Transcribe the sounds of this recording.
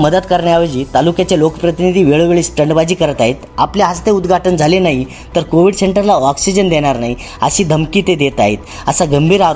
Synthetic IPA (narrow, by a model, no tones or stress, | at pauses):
məd̪ət̪kəɾɳjaʋed͡ʑiːt̪alukjat͡ɕelokəpɾət̪inid̪ʱiːʋeɭoʋeɭiːsʈəɳɖbad͡ʑiːkəɾət̪aɦet̪apljaɦəst̪eud̪ɡʱaʈənd͡zʱalenaɦi | t̪əɾkoʋiɽseɳʈəɾlaɔksid͡ʑənd̪eɽ̃aɾnaɦi | əɕiːd̪ʱəmkiːt̪ed̪et̪aɦet̪ | əsaɡəmbʱiːɾaɾ